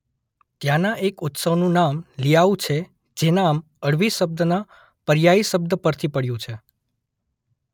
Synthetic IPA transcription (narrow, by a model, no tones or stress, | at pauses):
t̪janaʔekʊt̪səʋnũnamlijaũt͡ʃʰe | d͡ʒenam | əɽʋisəb̚d̪ʱəna | pəɾjaiʃəb̚d̪ʱəpəɾt̪ʰipəɽjũt͡ʃʰe